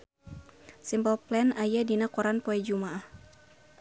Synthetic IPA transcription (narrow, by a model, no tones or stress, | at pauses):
simbɔlplɛnajadinakɔɾanpɔɛd͡ʒumaah